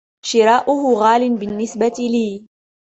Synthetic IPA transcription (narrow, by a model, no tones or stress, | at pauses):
ʃɪɾˤaːʔʊɦʊɣaːlɪnbɪnːɪsbat̪iliː